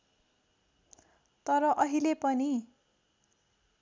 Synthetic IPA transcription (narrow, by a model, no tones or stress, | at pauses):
t̪ʌɾʌʔʌɦilepʌni